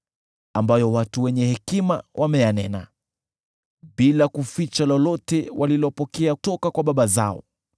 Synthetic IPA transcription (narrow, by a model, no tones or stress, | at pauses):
ambajɔwatuwɛɲɛhɛkima̰wʔamɛjanɛna | ɓilakufit͡ʃalɔlɔtɛwʔalilɔpɔkɛatɔkakwaɓaɓaza̰ɔ̰